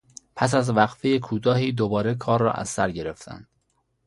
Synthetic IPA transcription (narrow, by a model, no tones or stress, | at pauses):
pʰæs̬æzvæɡfejekʰuːt̪ʰɒːɦiːd̪obɒːɾekʰɒːɾːɒ̰ːʔæ̰zːæɾɟe̞ɾe̞ft̪ʰæ̰nd̪̥